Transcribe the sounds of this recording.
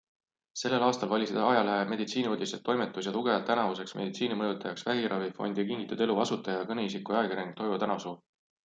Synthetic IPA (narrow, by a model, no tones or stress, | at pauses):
se̞lːe̞lɑːst̪ɑlvɑlʲisid̪̥ɑjɑlæheme̞d̪it̪siːniud̪ʲiset̪ːo̞jmet̪ːˑus̬jɑt̪uɡ̥e̞vɑt̪ːænɑvuse̞ksmʔe̞̰d̪it̪siːnimɤjut̪ːˑɑjɑksvæɦiɾɑvifo̞̰nʲd̪̥ɑkiŋɡit̪ːˑud̪e̞luɑsut̪ːˑɑjɑkɤne̞is̬ikuɑeɡiɾeŋɡ̥̚t̪o̞jvut̪ænɑsuː